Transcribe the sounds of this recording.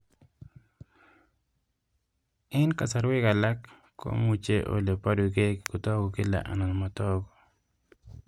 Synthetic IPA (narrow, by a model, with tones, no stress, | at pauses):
ɪ˦nka˨sa˨ɾwɪ˦ka˨la˦kː | o̰˦mu˨t͡ʃe˦ʔo̰˨le˨pa˦du˨ɡe˦kkʊ˨tɔ˦ɡɔ˨ki˦la̰˨ʔa̰˨na˨nma˨tɔ˦ɡɔ˨